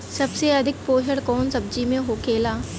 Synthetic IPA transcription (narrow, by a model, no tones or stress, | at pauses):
sɐbseɐd̪ʱɪk̚poːʃəɽkɔːnsɐb̚d͡ʒiːmẽɦoːkeːlaː